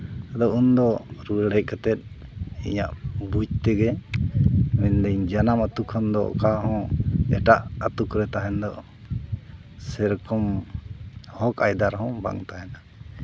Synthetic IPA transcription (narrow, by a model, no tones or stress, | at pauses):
t̪ad̪ɔund̪ɔɾuɛɽɛˀkat̪ɛt̪̚ḭɲa̰ʔbud͡ʒ̚t̪ɛɡɛ | mɛnd̪ɛɲd͡ʒanamat̪ukʰːɔnd̪ɔ̰kaɦɔ̃ɛ̰ʈaʔət̪ukɾɛt̪aɦɛnd̪ɔ̰ | sɛɾkɔm | hɔkajd̪aɾɦɔ̃ba̰ŋt̪aɦɛna